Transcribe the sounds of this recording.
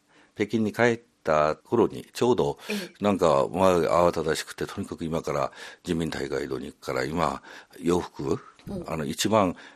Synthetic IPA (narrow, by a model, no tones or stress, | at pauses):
pe̞kʲĩɲ̟ːikae̞t̪ːakʰo̞ɾo̞ɲ̟ḭt͡ɕo̞ːd̪o̞nãŋkamaʔa̰βat̪ad̪aɕi̥kɯ̟̥t̪e̞t̪o̞ɲ̟ikakɯ̟imakaɾa̰d͡ʑimʲĩnt̪ʰaiɡa̰id̪o̞ːɲ̟ḭkkːaɾa̰imajo̞ːɸɯ̥kɯ̟a̰no̞it͡ɕibãŋ̃